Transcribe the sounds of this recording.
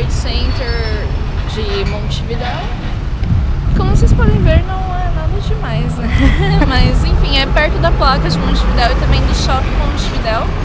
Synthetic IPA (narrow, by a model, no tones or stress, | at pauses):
d͡ʒʊsẽnt̪eɾ | d͡ʒɪmõw̃t͡ʃivid̪ɛw | kõmʊsespɔd̪ẽj̃veɾnɐ̃w̃ɛnad̪ɐd͡ʒɪmajznɛmɐzẽj̃fĩɛpɛɾt̪ʊd̪ɐplakɐd͡ʒɪmõt͡ʃivid̪ɛwɪt̪ɐ̃mbẽj̃d̪ʊʃɔkɪmõt͡ʃivid̪ɛw